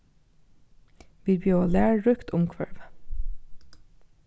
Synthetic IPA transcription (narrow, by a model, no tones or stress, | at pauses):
ʋiːbjøːoːlæːɹɹʉkt̪ʰʊmkʰʋæ̰ɹʋ